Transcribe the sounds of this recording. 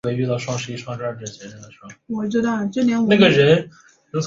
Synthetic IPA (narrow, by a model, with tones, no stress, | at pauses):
we˧˥ɪy˥˧t̪ɑ˥˧ʊʂwɑ˥˧ŋʂɻ̩˥˧i˥ʂwɑ˥˧ŋʂɻ̩˥ə˞˥˩ʈ͡ʂɛ˥˩t͡ɕʰɛ˧˥n˧˥d̪ə˧˩ʂwɑ˥˧ŋʂwɔ˨˩t͡ɕi˧˥d̪ə˥˧ʈ͡ʂɤ˥˩njɛ˧˥nna˥˩ɡə˩ɻə˧˥n | ə˧˥